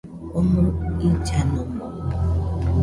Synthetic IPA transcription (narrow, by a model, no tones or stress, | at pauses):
omʊɾʊit͡ʃanɔmɔ